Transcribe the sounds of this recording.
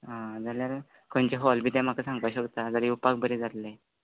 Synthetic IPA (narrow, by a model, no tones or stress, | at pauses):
ɦãd͡zaljaɾ | kʰoɳt͡ɕeɦɔlbʱiːt̪ãm̤akasãŋɡaɕəkt̪ad͡zəɾiupak̚bəɾid͡zʱat̪le